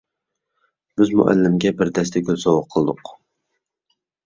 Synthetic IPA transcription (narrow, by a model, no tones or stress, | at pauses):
b̥ɪzmʊ̰ʔæ̰lːɪmɡʲɛbɪɾd̪ɛst̪ɛɡʲølzowɑqʰːəlˠɨd̪ʊq